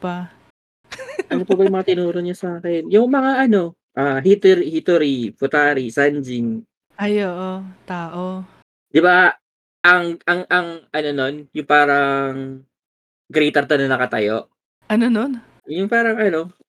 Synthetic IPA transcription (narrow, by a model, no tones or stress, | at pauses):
pa | ʔɐnopoɐbɐjʊmɐŋat̪ɪnuːɾoɲɐsaːkɛnjʊŋmɐŋaʔɐno̞ | ʔaːɦit̪ɾihit̪oɾifʊt̪aːɾisand͡ʒin | ʔajoːʔot̪aːʔo | d̪̥ɪba | ʔɐŋɐŋʔɐŋʔɐno̞no̞njʊŋpaːɾɐŋ | ɡɾɛjt̪ɐɾt̪ɐnɐnɐkɐt̪ɐjo̞̰ʔ | ʔɐnonon | jʊŋpaːɾɐŋɐno̞